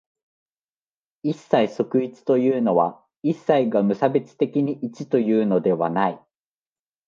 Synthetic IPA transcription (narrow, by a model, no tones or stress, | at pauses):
isːaiso̞kɯ̟it͡sɨ̥t̪o̞jɯːno̞βa | isːaiɡamɯ̟sabe̞t͡sɨ̥t̪e̞kʲiɲ̟iʔit͡ɕit̪o̞jɯ̟ːno̞d̪e̞βanai